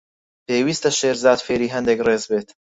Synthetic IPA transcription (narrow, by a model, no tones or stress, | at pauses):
pʰeːwiːst̪ɐʃeːɾzɑːd̪feːɾiːɦɛnd̪ekreːzbeːt̪